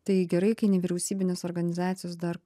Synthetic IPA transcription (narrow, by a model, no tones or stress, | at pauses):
t̪ɐɪɡʲɛɾɐɪkɐɪnʲɛʋʲiɾʲɛʊsʲiːbʲɪnʲeːsɔɾɡɐnʲɪzɑːt̪sʲɪjoːs̬d̪ɐɾ